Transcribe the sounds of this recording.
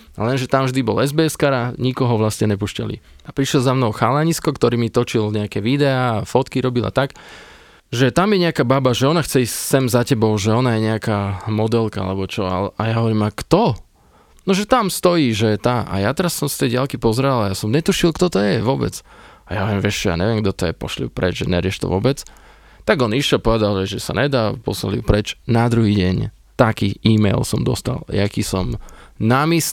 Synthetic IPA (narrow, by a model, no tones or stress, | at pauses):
a̰lɛnʒɛt̪amvʒd̪ibɔ̰lɛzbɛːɛskaɾaɲikɔɦɔʋlast̪ɲɛɲɛpuːʃca̰lḭapɾiʃjɛlzamnɔʊxalaɲiskɔkt̪ɔɾiːmit̪ɔt͡ʃilɲɛakɛʋid̪ɛaːfɔt̪kiɾɔbilʔa̰t̪ak | ʒɛt̪amjɛɲɛakaːbabaʒɛɔnaxt͡sɛissɛmzacɛbɔʊʒɛɔnajɛɲɛakaːmɔd̪ɛlka̰a̰lɛbɔt͡ʃɔa̰lɛʔajaɦɔʋɔɾiːmakt̪ɔ | nɔʒɛt̪amst̪ɔjiːʒɛt̪aʔa̰jat̪ɛɾasːɔmst̪ɛjɟɪalkipɔzɾalajasɔmɲɛt̪uʃilˠkt̪ɔt̪ɔjɛʋʊɔbɛ̰t͡sajaɦɔʋɾimʋɛʃt͡ʃɛja̰ɲɛʋɪɛmɡd̪ɔt̪ɔjɛpɔ̰ʃlḭpɾʔɛ̰d͡ʒʒɛ̰ɲɛɾɪɛʃt̪ɔ̰ʋɔbɛt͡s | t̪aɡɔniʃɛlpɔʋɛd̪alʒɛʒʒɛsa̰ɲɛd̪aːpɔ̰sla̰liupɾɛt͡ʃnad̪ɾuɦiːɟɛɲ | t̪akiːʔiːmɛjlsɔmd̪ɔst̪a̰ljakiːsɔmnamis